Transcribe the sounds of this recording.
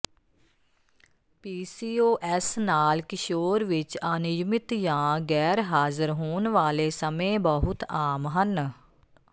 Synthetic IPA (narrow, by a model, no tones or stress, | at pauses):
piːsiːoːʔɛsnaːlkɪʃoːɾʋɪt͡ʃaːnɪd͡ʒmɪt̪jãːɡɛːɾɦaːzəɾɦoːnʋaːleːsəmẽːbəɦʊt̪aːmɦən